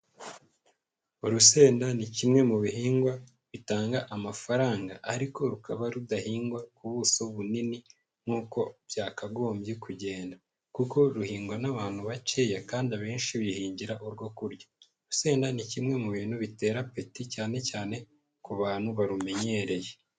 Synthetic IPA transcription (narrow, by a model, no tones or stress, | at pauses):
uɾuse̞ːndanicimŋe̞muβiɦiːŋɡwa | βitaːŋɡaʔamafaɾaːŋɡa̰ʔːɾiko̞ɾukʰaβaɾudahiːŋɡwakuβuso̞βunini | ŋ̥uːko̞β̥jaːkaɡo̞ːmbjekuɟe̞ːnda | kuko̞ɾuhiːŋɡwanaβaːn̥huβace̞ːjakaːndiaβeːnʃiβihiːɲɟiɾaʔuɾɡwo̞kuɾjḁ | ɾuse̞ːndanicimŋe̞muβiːn̥huβite̞ːɾape̞ticaːne̞caːne̞ | kuβaːn̥huβaɾume̞ɲe̞ɾe̞je̞